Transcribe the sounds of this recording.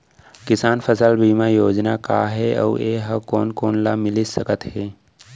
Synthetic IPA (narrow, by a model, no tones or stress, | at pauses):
kɪsaːnfʰəsəlbiːmajoːd͡ʒnaka̰ːɦɛɔ̰ːeːɦɐkoːnkoːnlamɪlisəkət̪ɦɛː